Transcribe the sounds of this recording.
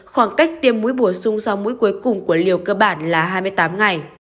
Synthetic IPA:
xwaː˧˩ŋka˦˥jk̟̚t̪i˧əmːu˨˦jɓo˧˩sʊ˧ŋ͡msa˧wmu˨˦jku˨˦jkʊ˨˩ŋ͡mku˧˩əli˨˩əwkəː˧ɓaː˧˩nlaː˨˩ɦaː˧jmɨ˧əjt̪aː˨˦mŋa˨˩j

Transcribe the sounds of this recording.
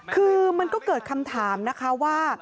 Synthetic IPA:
kʰɯː˧ma˧nkɔː˥˩kɤː˨˩t̪̚kʰa˧mt̪ʰaː˩˦mna˦˥kʰa˦˥waː˥˩

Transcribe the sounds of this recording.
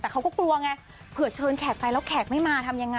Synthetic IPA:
t̪ɛː˨˩a˦˥wkɔ˥˩klu˧ɐŋɛ˧ | pʰɯ˨˩ɐ˦t͡ɕʰɤː˧nkʰɛː˨˩t̪̚fa˧jlɛ˦˥wkʰɛː˨˩k̪̚ma˥˩jmaː˧t̪ʰa˧mja˧ŋːa˧

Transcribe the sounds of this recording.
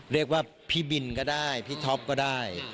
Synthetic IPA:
ɾi˥˩ək̚waː˥˩ | pʰiː˥˩bi˨˩nkɔː˥˩daː˥˩jpʰiː˥˩t̪ʰɔ˦˥p̚kɔː˥˩daː˥˩j

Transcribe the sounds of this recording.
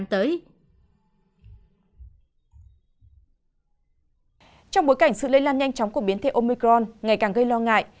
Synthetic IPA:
mt̪əː˨˦j | t͡ɕɔ˧wŋ͡mɓo˨˦jka˧˩jŋ̟sɨ̰˧˨lə˧˦jlaː˧nɲa˧jŋ̟t͡ɕɔ˨˦wŋ͡mku˧˩əɓi˨˦ənt̪ʰe˧˨˩ʔo˧mi˧kɾɔ˧nŋa˨˩jkaː˨˩ŋɣə˧jlɔ˧ŋa̰ː˧˨jʔ

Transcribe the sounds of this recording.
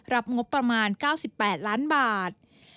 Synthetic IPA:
ɾa˦˥p̚ŋo˦˥t̪̚pːɾa˧maː˧nkaː˥˩wsi˨˩pːɛː˨˩t̪̚laː˦˥nbaː˨˩t̪̚

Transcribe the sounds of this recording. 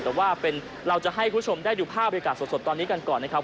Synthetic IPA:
t̪ɛː˨˩waː˥˩pe˧n | ɾa˧wt͡ɕa˨˩ɦa˥˩jkʰuː˦˥t͡ɕʰo˧mdaː˥˩jduː˨˩pʰaː˥˩ba˧ja˧kaː˨˩so˨˩t̪so˨˩t̪ːɔː˧nːiː˦˥ka˧nkɔː˨˩nːa˦˥kʰa˦˥pʰ

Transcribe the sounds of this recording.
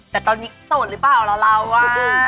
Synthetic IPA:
t̪ɛː˨˩t̪ɔː˧nːiː˦˥soː˨˩t̪̚ɾɯ˦˥paː˨˩wla˧˩la˧˩wːa˧˩˧

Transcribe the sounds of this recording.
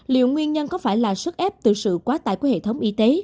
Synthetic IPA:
lḭ˧˨wŋwi˧ənɲə˧nkɔ˨˦faː˧˩jlaː˨˩sɨ˦˥t̚ʔɛ˦˥p̚t̪ɨ˨˩sɨ̰˧˨kwaː˨˦t̪a̰ː˧˨jku˧˩˦hḛ˧˨t̪ʰə˨˦wŋ͡mʔi˧t̪e˨˦

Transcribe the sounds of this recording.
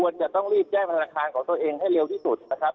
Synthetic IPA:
u˧ənt͡ɕa˨˩t̪ɔ˥˩ŋɾiː˥˩p̚t͡ɕɛː˥˩ŋt̪ʰnaː˧kʰaː˧nkʰɔː˩˦ŋt̪u˧əʔeː˧ŋɦa˥˩jɾe˧wt̪ʰiː˥˩su˨˩t̪̚na˦˥kʰɾa˦˥p̚

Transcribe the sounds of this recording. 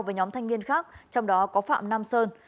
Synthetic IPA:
wveː˨˩ɲɔ˨˦mt̪ʰa˧jŋ̟mi˧ənxaː˦˥k̚t͡ɕɔ˧wŋ͡mɗɔ˨˦kɔ˨˦fa̰ː˧˨mna˧msəː˧n

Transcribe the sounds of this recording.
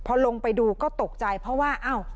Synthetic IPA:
pʰɔː˧lo˧ŋpa˧jduː˧kɔː˥˩t̪o˨˩k̚t͡ɕa˧jpʰɾɔ˦˥waː˥˩ʔaː˧˥˩w

